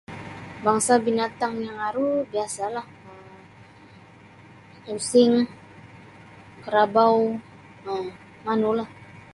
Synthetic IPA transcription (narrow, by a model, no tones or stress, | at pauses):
baŋsabinat̪aŋjaŋaɾubiasalah | əm | usɪŋ | kəɾabaw | ə | manulah